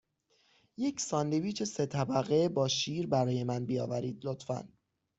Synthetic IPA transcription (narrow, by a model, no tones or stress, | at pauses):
je̞cʰsɒːnd̪eviːt͡ʃʰe̞se̞t̪ʰæbæɣebɒːʃiːɾbæɾɒːje̞mænbijɒ̰ːvæɾiːd̪lot̪fæ̰n